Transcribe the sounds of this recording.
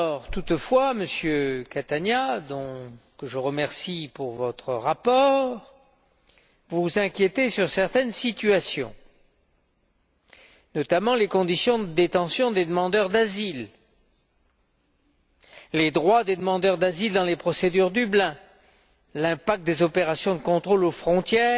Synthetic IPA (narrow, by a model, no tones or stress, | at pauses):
ɔʁt̪ut̪fwaməsjøkat̪anjad̪ɔ̃kəʒəʁəmɛʁsipuʁvɔt̪χəʁapɔʁ | vuzɛ̃kʲjet̪esyʁsɛʁt̪ɛnsit̪yasjɔ̰̃ | nɔt̪amɑ̃lekɔ̃d̪isjɔ̃d̪əd̪et̪ɑ̃sjɔ̃d̪ed̪əmɑ̃d̪œʁd̪azil | led̪ʁwad̪ed̪əmɑ̃d̪œʁd̪azild̪ɑ̃lepχɔsed̪yʁd̪yblɛ̃ | lɛ̃pak̚t̪̚d̪ezɔpeʁasjɔ̃d̪əkɔ̃t̪χolofχɔ̃t̪jɛː